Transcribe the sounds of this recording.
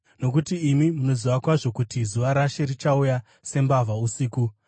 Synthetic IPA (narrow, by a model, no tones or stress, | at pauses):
no̞k̬utiːmimuno̞ziʋakwaʐo̞kutizuʋaɾaʃe̞ɾit͡ʃauja | se̞mbavausiːku